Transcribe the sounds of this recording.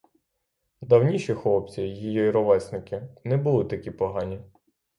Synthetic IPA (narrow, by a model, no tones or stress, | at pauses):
d̪ɐwnʲiʃixɔp̚t͡sʲijjijɔiɾɔʋɛsnɪkʲɪnɛbʊlˠɪt̪ɐkʲipɔɦɑnʲi